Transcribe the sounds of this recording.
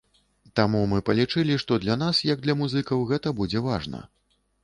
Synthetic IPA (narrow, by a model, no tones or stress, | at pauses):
t̪amumɨpɐlʲit͡ʂɨlʲiʂt̪ɔd̪lʲɐnasjɐɡ̚d̪lʲɐmuzɨkɐwɣɛt̪ɐbud͡zʲɛvaʐnɐ̰